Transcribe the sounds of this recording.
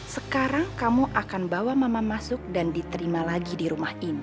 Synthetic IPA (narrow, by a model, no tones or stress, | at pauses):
səkaɾaŋkamuʔakanbawamamamasʊk̚dandit̪əɾimalaɡidiɾumahini